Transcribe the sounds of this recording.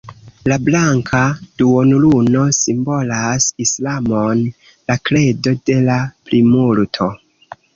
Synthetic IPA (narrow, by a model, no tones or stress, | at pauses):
lablaŋkʰad̥uonuluno̞simbo̞lasislamon | lakle̞do̞de̞laplimultʰo̞